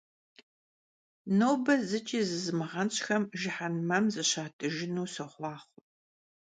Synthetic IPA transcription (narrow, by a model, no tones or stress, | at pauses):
noːbɐzɨt͡ʃʼiːzɨzɨmɨʁɐnɕʼxɐmʒɪħanmɐmzɨɕaːtʰɨʒɪnuːsɐχʷɑːχʷʊ